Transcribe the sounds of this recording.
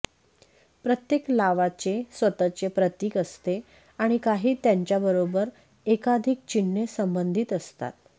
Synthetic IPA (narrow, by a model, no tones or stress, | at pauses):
pɾət̪jeklaʋat͡ɕesʋət̪ət͡ɕepɾət̪iːkəst̪e | aɽ̃ikaɦiːt̪jaɲt͡ɕjabəɾobəɾ | ekad̪ʱik̚t͡ɕiɳːesəmbənd̪ʱit̪əst̪a̰t̪